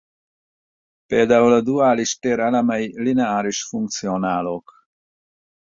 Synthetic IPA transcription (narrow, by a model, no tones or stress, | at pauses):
ped̪awlad̪uaːliʃt̪eɾalamajlinaaːɾiʃfuŋk̚t͡sjonaːlok